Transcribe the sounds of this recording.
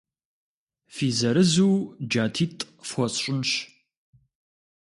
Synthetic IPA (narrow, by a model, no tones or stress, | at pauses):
fiːzɐɾɨzuːd͡ʒaːtʰiːtʼ | fʷɔɕɕʼʊnɕ